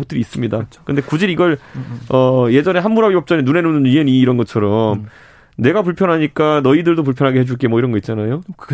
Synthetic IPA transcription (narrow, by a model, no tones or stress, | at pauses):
ok̚t͈ɯɾiːs͈ɯmɲidakɯnde̞kud͡ʑiɾiɡʌɭʌje̞d͡ʑʌne̞ɦanmuɾabibʌp̚t͡ɕ͈ʌɲenune̞nunniɦe̞niːɾʌnɡʌt͡ɕʰʌɾʌm | ne̞ɡapuɭpʰjʌnɦaɲik͈anʌidɯɭdop̬uɭpʰjʌnɦaɡeɦe̞d͡ʑuɭk͈e̞mwʌiɾʌnɡʌit̚t͡ɕ͈anajo